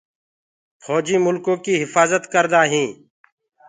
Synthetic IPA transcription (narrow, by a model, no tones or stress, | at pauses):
fʰɔːd͡ʒiːmʊlkõːkiːɦɪfaːzət̪kəɾd̪aːɦĩː